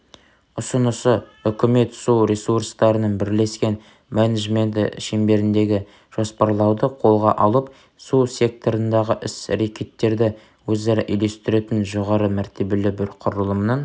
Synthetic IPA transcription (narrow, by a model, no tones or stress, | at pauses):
ʊsənəsəʏkʲɪme̞t̪suɾesurst̪ɑɾənɑnbɪɾle̞skʲe̞n | mæneʒme̞nt̪ɪʃembe̞ɾɪnd̪e̞ɡʲɪ | ʒ̥o̞spɑɾlˠɑwd̪əqʰo̞lˠʁɑ̰ʔɑlˠəp | susʲe̞k̚t̪o̞ɾənd̪ɑʁəʔɪsɾekʲʰe̞t̪ːe̞ɾd̪ɪ | wɵzeɾɪʔijle̞st̪ɪɾe̞t̪ɪnʒo̞ʁɑɾəmæɾt̪ʰe̞be̞lɪbɪɾqʰʊɾəlˠəmnəɴ